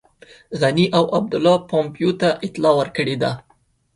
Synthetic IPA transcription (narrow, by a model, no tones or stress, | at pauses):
ɣaniʔawʔab̚d̪ʊlːɑpɑmpjot̪aʔɪt̪lɑwəɾkəɽed̪a